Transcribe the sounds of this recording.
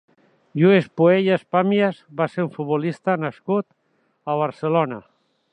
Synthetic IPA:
ʒuespueʎaspamjazβaseɾuɱfut̪̚bolist̪anaskut̪ | aβ̞aɾselona

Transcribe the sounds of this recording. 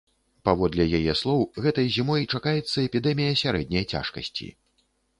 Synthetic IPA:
pavɔd̪lʲɛjajɛslˠɔwɣɛt̪ɐjzʲimɔjt͡ʂakajɛt̪sːɐɛpʲid̪ɛmʲijɐsʲaɾɛd̪ʲnʲɐjt͡sʲa̰ʂkɐ̰sʲt͡sʲḭ

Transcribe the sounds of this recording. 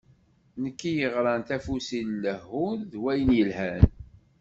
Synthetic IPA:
nəkːijəʁɾˤɑnt̪æfusilːəhːʊɾðwæjənjəlhæn

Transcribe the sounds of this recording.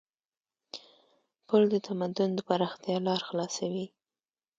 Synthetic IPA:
pʊld̪ət̪ʰamad̪ʊnd̪əpaɾɑxt̪jɑlɑɾxlɑsawi

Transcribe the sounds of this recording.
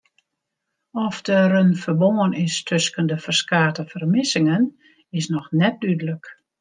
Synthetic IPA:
ɔfdərənfərboŋənɪstʰøskəndəfərskaːtəfərmɪsɪŋən | ɪsnɔxnɛt̚dydələk

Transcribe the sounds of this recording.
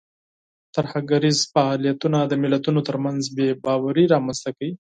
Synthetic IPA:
t̪aɾhaɡaɾizfaːlijat̪unad̪əmɪlat̪unot̪əɾmanzbebɑwaɾiɾɑmanst̪akawi

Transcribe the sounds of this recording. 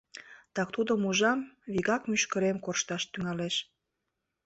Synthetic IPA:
t̪ɑkt̪ud̪omuʒɑmβiɣɑkmyʃkəɾemkorʃt̪ɑʃt̪yŋɑleʃ

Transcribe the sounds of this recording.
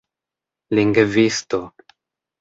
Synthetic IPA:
liŋɡvist̪o

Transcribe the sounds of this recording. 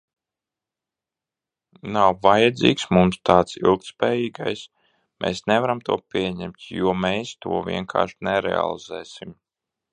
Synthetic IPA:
nawvajad̪zḭːksmumst̪aːt̪sḭlˠk̚t̪spɛːjiːɡajs | mʔɛ̰ːsnɛvaɾamt̪uɔpʲiɛɲɛmt̪juɔmeːst̪ṵɔvʲḭɛŋkʰa̰ːɾʃnɛɾɛ̰a̰lˠizɛ̰ːsim

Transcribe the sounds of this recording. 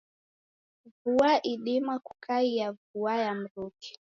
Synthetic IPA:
vuaʔiɗimaku̥kʰaijavuajam̩ɾuki̥

